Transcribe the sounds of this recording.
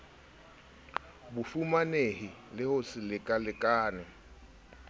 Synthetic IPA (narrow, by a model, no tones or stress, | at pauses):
bʊfumanehɪlɪhʊsɪlɪkʼalɪkʼaːnɪ